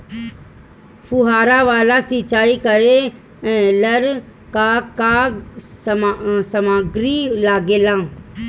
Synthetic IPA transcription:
fʊɦaːɾaʋaːlasit͡ʃaːikəɾe | ɛ̃ləɾ | kaka | səmaːɡɾilaːɡeːlãː

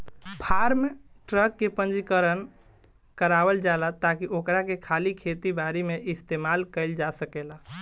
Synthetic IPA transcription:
bʱaɾme | ʈɾəkːepənd͡ʒikəɾən | kəɾabəld͡ʒalat̪akiʔokɾakekʰalikʰet̪ibaɾimeʔist̪emalkəɪld͡ʒasəkela

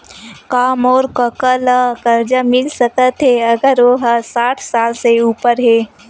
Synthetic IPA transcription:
kaːmɔːɾkəkələkəɾd͡ʒəmɪlsəkət̪ʰɦeɐɡəɾoɦəsaːʈʰsaːlseuːpəɾɦeː

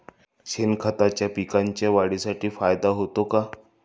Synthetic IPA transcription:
ɕenkʰət̪at͡ɕjapikaɲt͡ɕjaʋaɽisaʈiːfajd̪aɦot̪oka

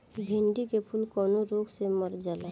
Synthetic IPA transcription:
ɡʱiɳɖikepʰulkɔːnoɾoɡseməɾd͡ʒala

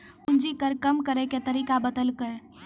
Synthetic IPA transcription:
und͡ʒikəɾkəmkəɾeket̪əɾikabəd̪əlkəɾe

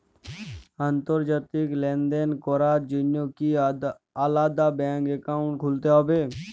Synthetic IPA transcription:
ãnt̪əɾd͡ʒat̪ɪklend̪enkoɾaːd͡ʒʊnjoki | aːlaːd̪abɛ̃ːŋkekaːʊ̃ɳʈ̚kʰʊlt̪eɦoːbeː

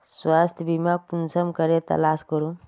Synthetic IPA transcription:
swast̪ʰbimak̚punsəmkəɾet̪ɐ̰laskəɾũ

